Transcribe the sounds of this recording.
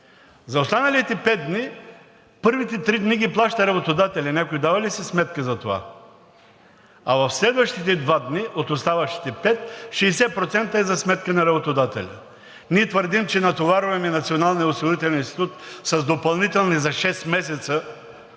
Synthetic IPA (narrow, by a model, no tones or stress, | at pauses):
zɐost̪anɐlit̪ɛpɛd̪̚d̪ni | pɤɾvit̪ɛt̪ɾid̪niɡʲiplˠaʃt̪ɐɾɐbot̪od̪at̪ɛlʲɐnʲakoid̪avɐlisɛsmɛt̪̚kəzɐt̪ova̰ | ɐvɐfslɛd̪vɐʃt̪it̪ɛd̪vad̪niʔot̪ost̪avɐʃi̥t̪ɛpɛt̪ʃɛːsɛpɾot̪sɛnt̪əɛzɐsmɛt̪kənɐɾɐbot̪od̪at̪ɛ̰lʲɐ̰ | niɛt̪vəɾd̪imt͡ʃɛnɐt̪ovaɾovɛmɛnɐt̪sionalˠniɛosiɡʊɾit̪ɛlʲɛninst̪it̪ut̪sɐzd̪opɐlˠnit̪ɛlˠnizɐʃɛst̪mɛsɛt̪sə